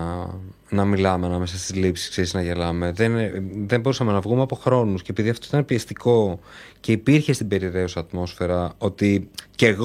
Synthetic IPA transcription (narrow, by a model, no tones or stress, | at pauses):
nɐmilɐmeɐnɐme̞sɐst̪izlipsi̥skseɾiznɐʝe̞lɐme̞ðenðembo̞ɾusɐme̞nɐvɣumeɐpo̞xɾo̞nuscepiðiɐft̪oit̪ɐnepiest̪iko̞ce̞ipiɾçe̞st̪ibe̞ɾiɾe̞usɐːt̪mo̞sfe̞ɾɐo̞t̪ice̞ɣ